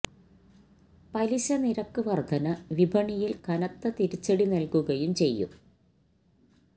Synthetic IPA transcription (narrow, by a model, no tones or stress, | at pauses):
pɐliɕɐniɾɐkːɨʋɐrɡʱɐnɐʋibʱɐɳijilkɐnɐt̪ːɐt̪iɾit͡ɕːɐɽinɐlkuɣɐjumt͡ɕe̞jːṵm